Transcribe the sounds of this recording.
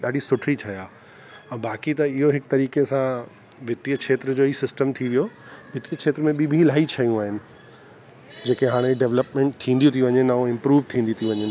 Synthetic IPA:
ɗaːɖʱisʊʈʰit͡ɕʰɐjaː | ɛ̃ːbaːkit̪ɐɪɦoɦɪk̚t̪ɐɾiːkesã | ʋɪt̪iəkʰeːt̪ɾəd͡ʑoːiːsɪsʈəmt̪ʰiʋijoʋɪt̪iəkʰeːt̪ɾəmẽɓibʱĩlaːit͡ɕʰɐjũaːɦɪnɪ̆ | d͡ʑeːkeɦaːɽ̃eɖeːʋləpmẽːɳʈ̚t̪ʰĩːnd̪jũt̪ʰiuʋɐɲenaːõɪ̃mpɾuːʋt̪ʰĩːnd̪ĩt̪ʰiũʋɐɲe

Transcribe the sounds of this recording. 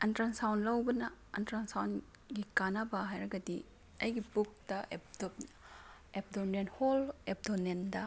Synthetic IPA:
ɐntɾansawnlɐwbɐnɐɐ̰ntɾansawn | ɡikanabɐɦajɾɐɡɐdi | ɐjɡipuk̚tɐep̚dop | ep̚donenholep̚donendɐ

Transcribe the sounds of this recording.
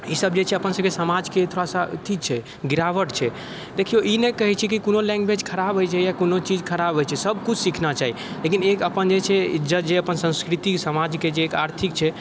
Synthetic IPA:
isəb̚d͡ʒet͡ʃʰɛəpənsəb̚kesəmad͡ʒket̪ʰoɾasat̪ʰit͡ʃʰɛ | ɡiɾaʋəʈt͡ʃʰɛ | d̪ekʰioʔinekəɦɛt͡ʃʰikikonolɛ̃ŋɡbed͡ʒkʰəɾabɦojt͡ʃʰɛjakonot͡ʃid͡ʒkʰəɾabʱɦojt͡ʃʰɛsəb̚kut͡ʃʰsikʰnat͡ʃaɦi | lekinekəpənd͡ʒet͡ʃʰɛid͡ʒət̪d͡ʒeəpənsə̃ñskɾit̪isəmad͡ʒked͡ʒeːkaɾt̪ʰik̚t͡ʃʰɛ

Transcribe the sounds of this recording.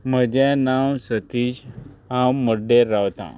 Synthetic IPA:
m̤əd͡ʑɛ̃nawsət̪id͡ʑɦãwməɖeɾːawt̪ã̰

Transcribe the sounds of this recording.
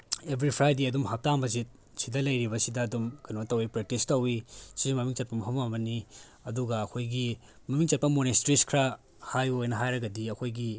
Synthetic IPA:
ebɾipʰɾajdeɐdumɦap̚taŋbɐzit̚ | sidɐlɐjɾibɐsidɐːdumkɐnotɐwipɾek̚tistɐwisimɐmiŋt͡ʃɐt̚pɐmɐɦʰɐmɐmɐni | ɐduɡɐːkʰojɡi | mɐmiŋt͡ʃɐt̚pɐmonestɾiskʰɾa | hajojnɐɦajɾɐɡɐdiɐkʰojɡi

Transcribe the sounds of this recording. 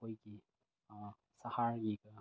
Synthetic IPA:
ojɡi | sɐhaɾɡiɡɐ

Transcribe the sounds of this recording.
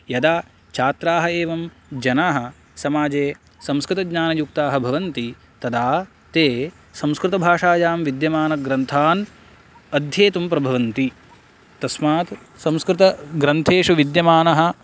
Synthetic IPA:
jɐd̪aː | t͡ʃʰaːt̪ɾaːɦɐeːʋɐm | d͡ʒɐnaːɦɐ̆ | sɐmaːd͡ʒeː | sɐ̃mskɾɪt̪ɐɡɲaːnɐjuk̚t̪aːɦɐbʱɐʋɐnt̪i | t̪ɐd̪aː | t̪eː | sɐ̃mskɾɪt̪ɐbʱaːʂaːd͡ʒaːmʋid̪jɐmaːnɐɡɾɐnt̪ʰaːn | ɐd̪ʱjeːt̪umpɾɐbʱɐʋɐnt̪i | t̪ɐsmaːt̪ | sɐ̃mskɾɪt̪ɐɡɾɐnt̪ʰeːʂuʋid̪jɐmaːnɐɦɐ̆

